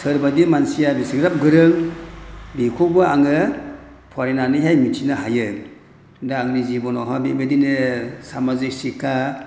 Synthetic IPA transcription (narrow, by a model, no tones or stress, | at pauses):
sɯɾbadimansijabisiɡɾap̚ɡɯɾɯŋ | bikʰɔbɯaŋɯ | pʰaɾenanɯjɦajmitʰinaɦajɯŋ | daːŋnizibɔnɔɦabibedinɯsamazik̚sikʰa